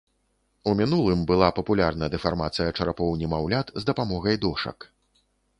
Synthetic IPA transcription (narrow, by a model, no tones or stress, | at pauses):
umʲinulˠɨmbɨlˠapɐpulʲarnɐd̪ɛfarmat̪sɨjɐt͡ʂɐɾapɔwnʲimawlʲat̪zd̪ɐpamɔɣɐjd̪ɔʂɐ̰k